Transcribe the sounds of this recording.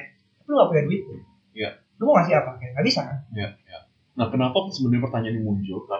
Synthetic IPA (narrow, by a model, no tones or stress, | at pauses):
pluɡapujaduɪt̪̚ːu | ja | umoŋas̬ɪapakajaŋɡabisajaja | ŋahkənapɔksəbənɲapərt̪aɲanimuɲd͡ʒʊrka